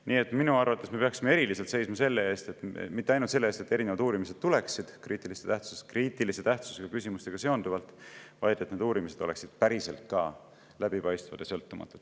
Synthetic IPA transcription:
niːe̞t̪ˑminuɑrvɑt̪ːˑesme̞peɑksime̞e̞ɾilise̞lt̪se̞jsmɑse̞lːee̞ːst̪et̪mit̪ːeɑjnult̪se̞lːest̪et̪ːeɾinevɑd̪uːɾimis̬e̞d̪̥̚t̪ule̞ksid̪̥kriːt̪ːˑilist̪et̪æht̪su̥seskriːt̪ˑiliset̪æht̪su̥seɡ̥ɑkysimust̪e̞ɡ̥ɑse̞ond̪uvɑlt̪ˑvɑjd̪̥e̞t̪ned̪uːɾimise̞d̪o̞le̞ksid̪̥pæɾise̞lt̪̚kɑ | læb̥ipɑjst̪vɑ̰d̪̥jɑ̰sɤ̞lt̪ːumɑ̰t̪ːˑud̥̪

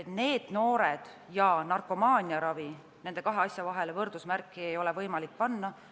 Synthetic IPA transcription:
et̪ne̞ːd̪̥no̞ːɾed̪̥ | jɑnɑrkːˑo̞mɑːnʲiɑɾɑvi | ne̞nd̪ekɑɦe̞ɑsʲjɑvɑɦe̞levɤrd̪usmærkːˑie̞jo̞le̞vɤjmɑlik̚pɑnːɑ

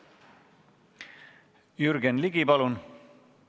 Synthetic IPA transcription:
jyɾɡenliɡipɑlun

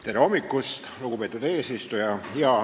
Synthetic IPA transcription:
t̪e̞ɾeo̞mːikːˑust̪luɡ̥upe̞ːt̪ˑud̪e̞ːsist̪ujɑjɑ

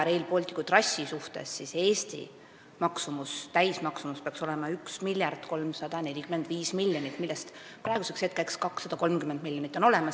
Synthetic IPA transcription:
ɾejlpolʲt̪ʲːˑi̥kut̪rɑsʲːisuht̪e̞̰sːise̞ːst̪ḭ | mɑksumust̪æjsmɑksumuspeɑkso̞le̞mɑyksmilʲjɑrt̪ko̞lmsɑd̪̥ɑne̞lʲikymːe̞nd̪̥viːsmilʲːjonit̪ːˑmilːest̪ | pɾɑˑeɡuse̞kset̪̚ːkæjkskɑksːɑd̪̥ɑko̞lmkymːend̪milʲjonit̪ːˑo̞no̞le̞mɑs

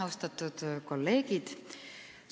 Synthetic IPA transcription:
ɑwst̪ɑt̪ːˑud̪̥ko̞lːe̞ːɡ̥id̪̥

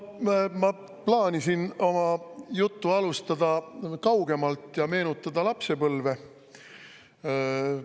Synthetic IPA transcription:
mɑ | plɑːnisino̞mɑjut̪ːuɑlust̪ɑd̪ɑkɑwɡe̞mɑlt̪ːˑjɑme̞ːnut̪ːˑɑd̪̥ɑlɑpse̞pɤlve̞

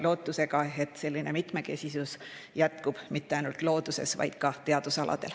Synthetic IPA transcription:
lo̞ːt̪ːuse̞ɡɑe̞t̪ːˑse̞lʲːine̞mit̪ˑme̞ke̞sʲisusjæt̪kub̥mit̪ːeɑjnult̪ˑlo̞ːd̪use̞̰svɑ̰jd̪̥kɑt̪e̞ɑd̪̥usɑlɑ̰d̪̥e̞l

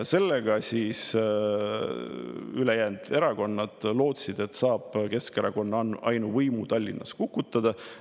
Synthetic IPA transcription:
se̞lːeɡ̥ɑsiːs | ylejæːnd̪̥e̞ɾɑko̞nːɑd̪̥lo̞ːt̪sid̪e̞t̪ːˑsɑːb̥ke̞skeɾɑ̰ko̞nːɑɑjnuvɤjmut̪ɑlʲːḭnːɑ̰skukːˑut̪ːˑɑd̪̥ɑ

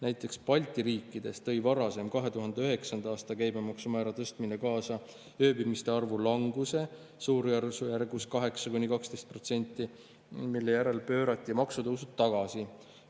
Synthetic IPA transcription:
næjt̪ˑːe̞kspɑlʲt̪ˑiɾiːkˑːid̪̥e̞st̪ɤ̞jvɑɾɑse̞mkɑɦe̞t̪uɦɑnd̪eøɦe̞ksɑnd̪̥ɑɑːst̪ɑkæjbemɑksumæɾɑt̪ɤst̪mine̞kɑːsɑ | øːbimist̪e̞ɑrvulɑŋɡ̥use̞ | suːɾjærsujærɡuskɑɦe̞ksɑkunʲːikɑkst̪ejst̪̚pro̞t̪se̞nʲt̪ːˑi | milːe̞jæɾe̞lpø̞ːɾɑt̪ˑːimɑksut̪ɤwsut̪ːɑɡ̥ɑsi

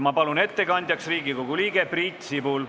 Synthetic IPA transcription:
mɑpɑlune̞t̪ːe̞kɑnʲd̪jɑksriːɡiko̞ɡ̥uliːɡ̥e̞prit̪sibuːl

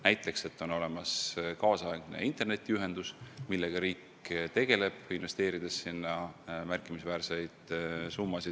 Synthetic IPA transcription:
næjt̪ːˑe̞kse̞t̪ːˑo̞no̞le̞mɑskɑːsɑeɡ̥nḛint̪ˑe̞rne̞t̪ːˑiyɦe̞nd̪̥usmilːe̞ɡ̥ɑɾiːkː | t̪e̞ɡ̥e̞le̞b̥inve̞st̪e̞ːɾid̪̥esːinːɑmærkːˑimisvæːrse̞jd̪̥sumːɑsid̪

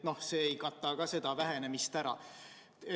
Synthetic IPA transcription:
no̞hseːejkɑt̪ːˑɑkɑse̞d̪̥ɑvæɦe̞ne̞mist̪æɾɑ̰

